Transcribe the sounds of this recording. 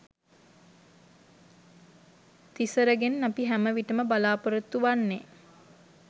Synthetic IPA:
t̪isəɾəɡenːapiɦæməʋiʈəməbalaːpəɾət̪ːuʋanːe

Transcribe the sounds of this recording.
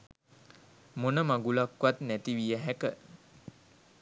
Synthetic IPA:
monəmaɡulakʋat̪næt̪iʋijəɦɛkə

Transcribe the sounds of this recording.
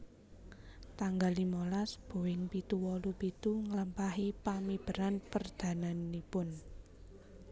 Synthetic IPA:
t̪aŋɡalimolasb̥o̤wɪŋpit̪uwɔlupit̪uŋələmpaɦipamib̥əɾanpərd̪̥a̤nanipʊn

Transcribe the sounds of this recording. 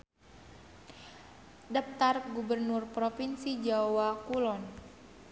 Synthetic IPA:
dap̚t̪arɡubərnurpɾofinsid͡ʒaowakulɔn

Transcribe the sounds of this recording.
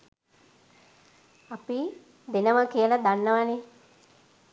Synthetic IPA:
api | d̪enəʋəkiəlad̪anːəʋane

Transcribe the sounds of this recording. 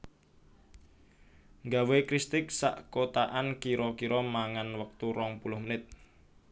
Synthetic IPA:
ŋɡawekɾist̪ɪk̚sa̰ʔkot̪aʔankiɾɔkiɾɔmaŋanwək̚t̪uɾɔŋpulʊhmənɪt̪̚

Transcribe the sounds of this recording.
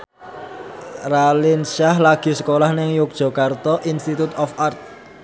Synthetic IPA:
ralinʃahlaɡ̥i̤sə̥kolahnɪŋjuk̚ʒ̥ɔ̤kart̪ɔʔinst̪it̪ut̪ɔfart̪̚

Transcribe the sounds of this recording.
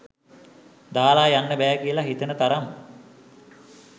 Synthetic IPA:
d̪aːlaːjanːəbæːkiəlaɦit̪ənət̪aɾam

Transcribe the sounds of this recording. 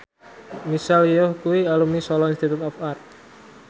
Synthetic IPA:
misaljɔhkuialumnisɔlɔinst̪it̪ut̪ɔfar

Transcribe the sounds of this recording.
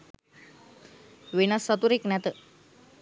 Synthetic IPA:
ʋenasət̪uɾeknat̪ə

